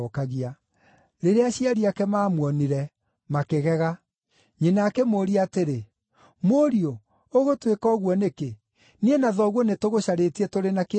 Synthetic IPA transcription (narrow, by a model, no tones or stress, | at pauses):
kaɣia | ɾeɾeaɕiaɾiakɛmaːmwɔniɾɛ | makeɣɛɣa | ɲenakɛmoːɾiateɾe | moɾio | oɣotwekɔɣwɔneke | nienaðɔɣwɔnetoɣoɕaɾetiɛtoɾenake